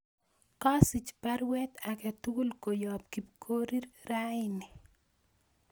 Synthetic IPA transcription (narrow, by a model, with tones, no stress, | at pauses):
ka˦si˨t͡ʃpa˦ɾwɛ˦t̪akɛt̪u˦ɡu˦lko˨jɔp̚ki˨p̚kʰo˦ɾi˦ɾɾaɪnɪ˨